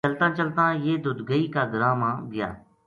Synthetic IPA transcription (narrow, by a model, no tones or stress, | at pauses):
əlt̪ãːt͡ʃəlt̪ãːjeːd̪ʊd̪ɡəiːkaːɡəɾaːmãːɡɪja̰ː